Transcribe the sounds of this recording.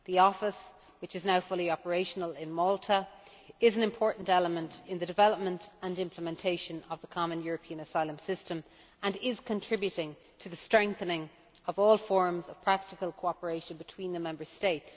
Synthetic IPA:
ðiɔfɪs | wɪt͡ʃɨznaʊfʊlˠiɑpə˞eɪʃənəlɪ̃nmɔlˠtʰə | ɪzə̃nɪ̃mpʰɔːɹʔn̩tɛləmə̃ntɪ̃nðədɨvɛləp̚mə̃ntə̃nɪ̃mpʰləmɛ̃ntʰeɪʃə̃nəvðəkʰɑmə̃njʊɹəpʰĩə̃nəsaɪlə̃msɪstə̃m | ə̃nɪz̥kʰə̃ntʰɹ̥ɪbjʉɾɪ̃ŋ | tʰəðəstɹ̥ɛ̃ŋk̚θənɪ̃ŋ | əvɔːlˠfɔɹmzəv̥pʰɹ̥ak̚tɪkəlˠkʰoʊɑpə˞eɪʃə̃nbɪtʰw̥ĩnðəmɛ̃mbə˞steɪts

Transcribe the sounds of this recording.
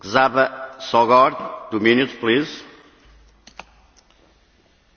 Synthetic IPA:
ɡzaβɐsɔɣɔɾd̪d̪uminut̪pliz

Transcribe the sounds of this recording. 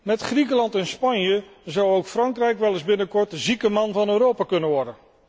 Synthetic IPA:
mɛtχrikəlɑntɛnspɑɲjəzɑwowkfrɑŋkrɛjkʋɛlˠɪzbɪnəkɔɹtzikəmɑnvɑnøːɾowpaːkɵnənʋɔɹdən

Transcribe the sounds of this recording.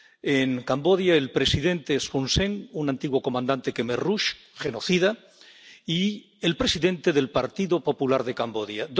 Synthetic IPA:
eŋkambo̞ðjae̞lpɾe̞siðe̞nt̪espunseŋunãnt̪iɣwo̞ko̞mãnd̪ant̪e̞kemeruʃ | χe̞no̞θiða | i | elpɾe̞siðe̞nt̪e̞ðe̞lpaɾt̪iðopo̞pulaɾðe̞kambo̞ðjad̪

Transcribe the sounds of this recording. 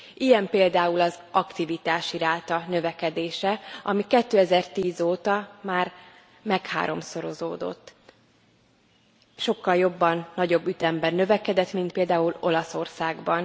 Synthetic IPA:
ijɛmpeːld̪aːulɒzɒkt̪ivit̪aːʃiɾaːt̪ɒnø̞vɛkɛd̪eːʃɛɒmikɛt̪ːøːɛzɛrt̪iːzoːt̪ɒmaːr | mɛkha̰ːɾo̞mso̞ɾo̞zoːd̪o̞̰t̪ː | ʃo̞kːɒljo̞bːɒnːɒɟo̞bːyt̪ɛmbɛnːø̞vɛkɛd̪ɛt̪mint̪peːld̪aːulo̞lɒso̞rsaːɡbɒn

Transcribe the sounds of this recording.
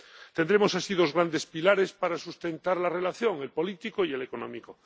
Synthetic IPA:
t̪end̪ɾemo̞sasiðo̞zɣɾand̪e̞spilaɾe̞spaɾasust̪ẽ̞nt̪aɾlare̞laθjo̞ŋe̞lpo̞lit̪ikoielekonõmiko

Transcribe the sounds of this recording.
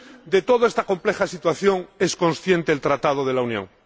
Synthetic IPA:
d̪e̞t̪oðoest̪ako̞mple̞xasit̪waθjo̞ŋe̞sko̞nsθje̞nt̪eːlt̪ɾat̪að̞oð̞e̞launjõ̰ŋ

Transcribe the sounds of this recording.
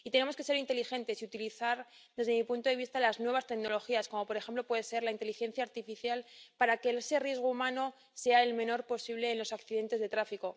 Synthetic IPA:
it̪e̞ne̞moske̞se̞ɾint̪e̞lixe̞nt̪e̞siut̪iliθaɾ | ðe̞zðe̞mipunt̪oðe̞βist̪alaznwe̞βast̪e̞kno̞lo̞xiasko̞mo̞po̞ɾe̞xe̞mplopwe̞ð̞ese̞ɾlaint̪e̞lixẽ̞n̟θjaːɾt̪ifiθjalpaɾake̞ese̞rjezɣ̞oumãno̞ | se̞aelmẽ̞no̞ɾpo̞siβle̞ːnlo̞sakθiðe̞nt̪eðe̞t̪ɾafiko̞

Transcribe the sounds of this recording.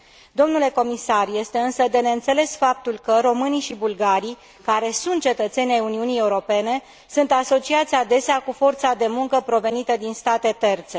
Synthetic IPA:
d̪o̞mnule̞ko̞misarje̞st̪e̞ɨnsəd̪e̞neɨnt̪se̞le̞sfap̚t̪ulkəɾo̞mɨniʃibulɡaɾij | kaɾe̞sunt̪̚t͡ʃe̞t̪ət̪se̞nʲajuniunije̞uɾo̞pe̞ne̞ | sunt̪aso̞t͡ʃiat̪sʲad̪e̞seakufo̞rt̪sad̪e̞muŋkəpɾo̞ve̞nit̪əd̪inst̪at̪e̞t̪e̞rt̪se̞

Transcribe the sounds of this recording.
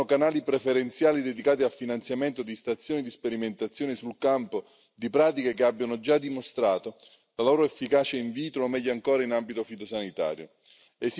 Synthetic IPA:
okanaːlipɾefeɾent̪sjaːlid̪ed̪ikaːt̪̬ialfinant̪sjament̪od̪ist̪at̪sːjoːnid̪ispeɾiment̪at̪sːjoːnisulkampo | d̪ipɾaːt̪̬ikekeabːjanod͡ʒad̪imost̪ɾaːt̪o | laloːɾoefːikaːt͡ʃeiɱviːt̪ɾoomːɛʎːoaŋkoːɾainambit̪ofit̪osanit̪a̰ːɾjo̰ | es

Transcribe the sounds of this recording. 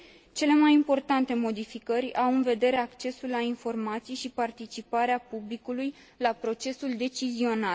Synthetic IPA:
t͡ʃe̞le̞majimpo̞rt̪ant̪e̞mo̞d̪ifikərʲawɨnve̞d̪e̞ɾe̞akt͡ʃe̞sulːainfo̞rmat̪sijʃipart̪it͡ʃipaɾeapublikuluj | lapɾo̞t͡ʃe̞suld̪e̞t͡ʃizio̞nal

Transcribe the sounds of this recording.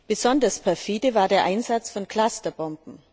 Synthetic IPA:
b̥əzɔndɐspʰɛɐfiːdəvaːɐdeːɐʔaɪnzat͡sfɔnkl̥astɐbɔmbm̩

